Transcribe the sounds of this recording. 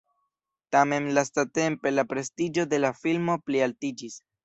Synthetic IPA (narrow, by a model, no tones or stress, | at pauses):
tame̞nlastate̞mpe̞lapɾe̞stid͡ʒo̞de̞lafilmo̞plialtid͡ʒis